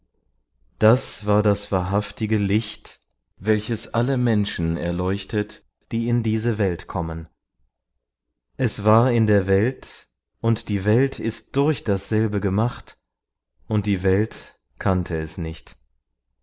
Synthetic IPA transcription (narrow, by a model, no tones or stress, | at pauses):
d̥asv̥aːɐdasv̥aːɐɦaftɪɡəlɪçt | vɛlçəsʔaləmɛnʃn̩ɛ̰ɐlɔʏçtʰət | d̥iːɪndiːzəvɛltkʰɔmən | ʔɛsv̥aːɐɪndeːɐvɛlt | ʔʊntd̥iːvɛltʰɪst̚d̥ʊɐçd̥asz̥ɛlbəɡəmaχt | ʔʊnt̚d̥iːvɛlt | kʰantʰəɛsnɪçt